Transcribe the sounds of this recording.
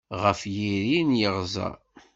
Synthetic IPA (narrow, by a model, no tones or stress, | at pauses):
ʁəfjiɾinjəʁzˤɑ̰